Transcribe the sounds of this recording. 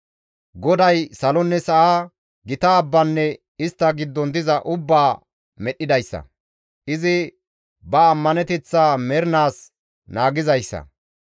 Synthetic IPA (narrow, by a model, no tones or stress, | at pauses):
ɡɔd̪ɐjsɐlɔnːɛsɐʔaː | ɡɪt̪ɐːbːɐnːɛ | ɪst̪ːɐɡɪd̪ːɔnd̪ɪzɐʔʊbːaː | mɛɗːɪd̪ɐjsːɐ̰ | ʔɪzɪ | bɐːmːɐnɛt̪ɛt͡sːaːmɛɾnaːs | naːɡɪzɐjsːɐ̰